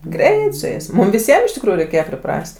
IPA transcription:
ˈɡrʲɛɪt sʊ ˈjɛɪs ˈmʊm ʋʲɪˈsʲiɛm ɪʃ tʲɪkˈruːjuː rʲɛɪˈkʲeːjɛ pʲrʲɪˈprɐsʲtʲ

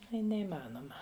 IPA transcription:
ˈɐɪ nʲɛiːˈmɑːnoːmɐ

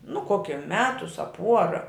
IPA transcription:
nʊ ˈkoːkʲɛ ˈmʲæːtʊs ɐ ˈpuɔrɐ

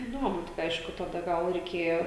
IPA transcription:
ɪˈduɔmʊ tʲɪk ˈɐɪʃkʊ tɐˈdɐ ɡɐlˠ rʲɛɪˈkʲeːjoː

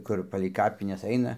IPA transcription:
ˈkʊr pɐlʲɛɪ ˈkɑːpʲɪnʲɛs ɐɪnɐ

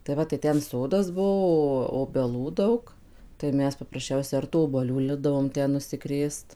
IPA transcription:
tɐɪ ˈʋɐ tɐɪ ˈtʲɛn ˈsoːdɐs ˈbuɔ oːbʲɛˈlˠuː ˈdɐʊk tɐɪ ˈmʲɛs pɐprɐsʲˈt͡ʃʲɛʊsʲɛ ɐr tuː oːbuɔˈlʲuː ˈlʲɪbdɐʋoːm ˈtʲɛn nʊsʲɪˈkrʲeːst

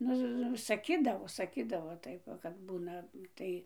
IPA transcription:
ˈnʊ sɐˈkʲiːdɐʋoː sɐˈkʲiːdɐʋoː ˈtɐɪp ʋɐ kɐt ˈbuːnɐ ˈtɐɪ

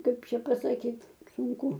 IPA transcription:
ˈkɐɪp ˈt͡ʃʲɛ pɐsɐˈkʲiːt sʊŋˈkʊ

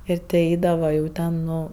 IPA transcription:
ˈɪr tʲɪ ˈɛɪdɐʋɐ jɛʊ ˈtʲɛn ˈnʊ

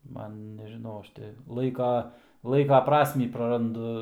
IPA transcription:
ˈmɐn nʲɛʒʲɪˈnɐʊ ˈɐʃ tʲɪ ˈlˠɐɪkɐ ˈlˠɐɪkɐ ˈprɑːsʲmʲiː prɐrɐnˈdʊ

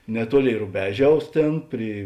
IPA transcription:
nʲɛˈtuɔˌlʲeːɪ rʊˈbʲæːˌʒʲɛʊs ˈtʲeːn ˈpʲrʲiː

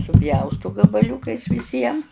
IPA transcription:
sʊˈpʲjɛʊstʊ ɡɐbɐˈlʲʊkɐɪs ʋʲɪˈsʲiɛm

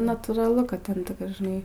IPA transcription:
nʊ nɐtuːrɐˈlˠʊ kɐ ˈtʲɛn ʒʲɪˈnɐɪ

